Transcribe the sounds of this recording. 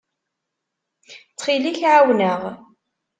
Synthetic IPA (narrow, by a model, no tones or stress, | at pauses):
t͡sχiliçʕawnəʁ